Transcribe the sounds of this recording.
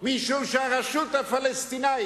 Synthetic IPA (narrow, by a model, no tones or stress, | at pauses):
miʃowʃaɣaʃut̪ɐfalest̪ina